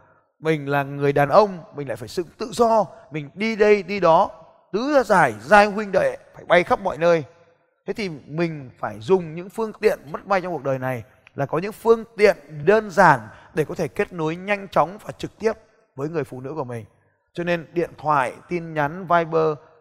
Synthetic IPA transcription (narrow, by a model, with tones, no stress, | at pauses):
mï˨˩ŋ̟laː˨˩ŋɨ˨˩əjɗaː˨˩nʔə˧wŋ͡mmï̟˨˩la̰ː˧˨˩faː˧˩jsɨ̰˧˥ŋt̪ɨ̰˧˨zɔ˧mï˨˩ŋ̟ɗi˧ɗə˧jɗi˧ɗɔ˨˦ | t̪ɨ˨˦zaː˧zaː˧˩jzaː˧jhwi˧ŋ̟ɗə̰ː˧˨jfaː˧˩jɓa˧jxə˦˥p̚mɔ̰˧˨jnəː˧j | t̪ʰe˨˦t̪ʰi˨˩mï˨˩ŋ̟faː˧˩jzʊ˨˩ŋ͡mɲɨ̰˧˥ŋfɨ˧əŋt̪ḭ˧˨ənmə˦˥t̚ma˧jt͡ɕŋ͡mku˩əɗəː˨˩jna˨˩j | laː˨˩kɔ˨˦ɲɨ̰˧˥ŋfɨ˧əŋt̪ḭ˧˨ənɗəː˧nzaː˧˩nɗe˧˩kɔ˨˦t̪ʰe˧˩ke˦˥t̚no˨˦jɲa˧jŋ̟t͡ɕɔ˨˦wŋ͡mvaː˨˩t͡ɕɨ˨˩k̚t̪i˦˥əp̚ | vəː˨˦jŋɨ˨˩əjfṵ˧˨˩nɨ̰˧˥ku˧˩əmï˨˩ŋ̟ | t͡ɕɔ˧ne˧nɗḭ˧˨ənt̪ʰwa̰ː˧˨jt̪i˧nɲa˨˦nvaː˧jɓəː˧